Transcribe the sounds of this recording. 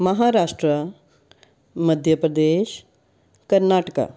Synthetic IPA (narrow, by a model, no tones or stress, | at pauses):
mɐɦaːɾaːʂʈɾə | mɐd̪ʱjəpɾəd̪eːʃ | kɐɾnaːʈəka̰ː